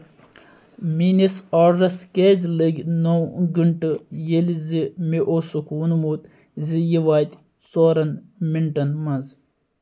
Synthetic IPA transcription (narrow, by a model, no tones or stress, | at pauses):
minisaːɽɾɐskeːd͡ʒliɡʲnowɡuɳʈɨjelʲzimiʔosukuːnmuːt̪ | zijiʋaːjt̪ʲ | soːɾɐnmiɳʈɐnmɐnz